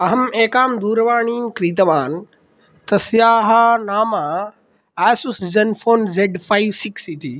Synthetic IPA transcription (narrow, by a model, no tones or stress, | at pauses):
ɐɦɐmeːkaːmd̪uːɾʋaːɳiːmkɾiːt̪ɐʋaːn | t̪ɐsjaːɦaːnaːmaː | aːsuszɐnfʰoːnzeːɖpʰaiʋsiksit̪iː